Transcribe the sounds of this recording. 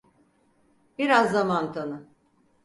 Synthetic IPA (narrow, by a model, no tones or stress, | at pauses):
biɾazːamant̪ʰanɯ